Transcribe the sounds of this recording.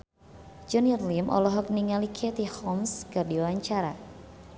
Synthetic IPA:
d͡ʒɔniərlimʔɔ̰lɔɦɔk̚niŋalikʰet̪ihɔmskardiwawaɲt͡ʃaɾa̰

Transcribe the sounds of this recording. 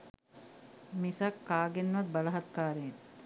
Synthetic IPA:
misɐkːaːɡenʋɐt̪̚bɐlɐɦɐt̪kaːɾen

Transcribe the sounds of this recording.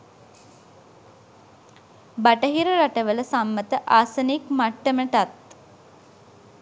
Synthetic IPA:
baʈəɦiɾəɾaʈəʋələsamːət̪əʔaːsənikmaʈːəməʈat̪

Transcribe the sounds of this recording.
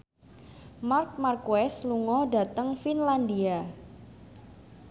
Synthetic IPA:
mark̚markwɛsluŋɔda̤t̪əŋfinland̪ia

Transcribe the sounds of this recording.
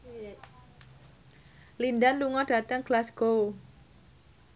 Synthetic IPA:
lindanluŋɔɖ̥a̤t̪əŋɡ̥lasɡ̥o

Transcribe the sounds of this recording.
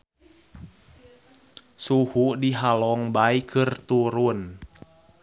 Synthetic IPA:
suhudiɦalɔŋbaikʰɨrt̪uɾun

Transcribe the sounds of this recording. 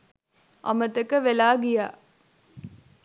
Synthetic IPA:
ʔɐ̰mət̪ɐkəʋelaːɡijaː

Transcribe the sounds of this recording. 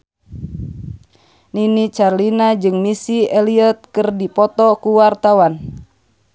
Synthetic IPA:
ninit͡ʃarlinad͡ʒɨŋmisiɛliɔt̪̚kɨrdipɔt̪ɔkuwart̪awan

